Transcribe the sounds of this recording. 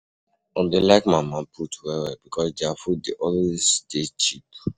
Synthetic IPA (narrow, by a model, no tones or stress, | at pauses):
ɔ̃ndelaɪkmamãpʰutwɛwɛbikʰɔsdeafut̚deʔɔweztet͡ʃip